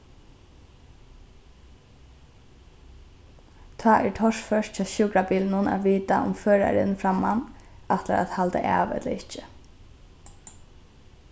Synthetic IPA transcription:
t̪ʰɑːʔɛɹt̪ʰɔʂfœʂtt͡ʃʰaːʃuːkɾabiːlnʊna̰ʋiːt̪a̰ʔʊ̰mføːɾa̰ɾɪ̰nfɾamːanaft̪la̰ɾa̰ðhalt̪ə̰ʔa̰ːʋɛ̰t̪la̰ɪht͡ʃɪ

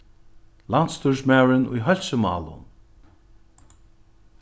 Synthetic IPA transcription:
lant̪st̪ʰuɹsmaːwɹɪnʊ̰jɦœl̥səmɑ̰ːlʊ̰n

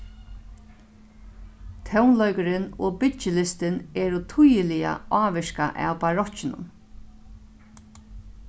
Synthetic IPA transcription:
t̪ʰɛwnlɔɥkəɾɪnɔːpɪt͡ʃɪlɪst̪ɪnɛːɾʊt̪ʰujɪlɪja̰aːʋɪʃka̰ʔæ̰wpaɾɔt͡ʃɪnʊ̰m

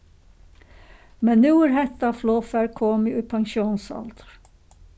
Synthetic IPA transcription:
mɛnnuːæɾɦɛt̪ɑfloːfæɾkʰoːmɪʔʉːpʰɑŋʃuːnsɑ̰ld̪ə̥ɾ

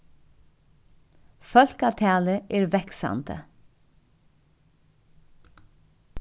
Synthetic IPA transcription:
fœlkɑːt̪ʰæːləʔeːɹʋɛksɑ̰nt̪ə̰

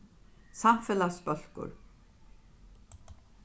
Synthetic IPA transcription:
samfɪlaspœl̥kʊ̰ɾ

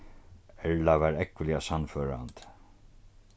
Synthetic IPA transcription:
ɛɹlaʋæːɾɛkʋəlɪasanføːɾa̰nt̪

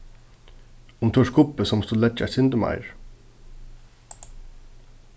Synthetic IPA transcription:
unt̪ʰuːʂkʊpːəsɔmst̪ulɛd͡ʒa̰sɪnd̪əmɑ̰ɪɹ

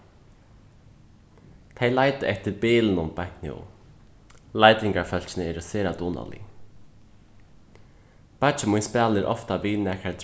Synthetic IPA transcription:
t̪ʰejlaːjt̪ɪʔɛht̪ɪɾpɪːlɪnʊmpaknɪ̰ṵ | lajt̪ɪŋkaɾfœl̥t͡ɕɪnɪɛɾɪseːɾat̪uːna̰lḭ | pḁt͡ʃɪmujnspaːlɪɾʔɔ̰ft̪aʋiːnɛːkaɾt̪

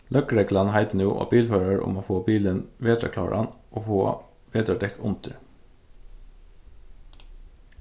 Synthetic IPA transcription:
lœkəɹɛklanɦæɪd̪ənuːʔo̰ːbiːlføːɾaɹʊ̰moːfoːbiːlənʋeːd̪ɾɑ̰kʰlɑ̰ːɹʔɑ̰nʔoːfo̰ː | ʋeːd̪ɾad̪ɛkʊnt̪əɹ

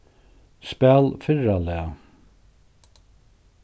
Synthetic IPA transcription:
spɛlfɪɹalɛa

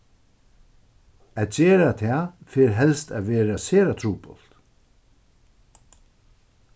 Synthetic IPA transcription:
ætt͡ɕeːɾat̪ʰɛːfeːɾɦɛlst̪æʋɛːɾaseːɾat̪ʰɾuːpɔl̥t̪

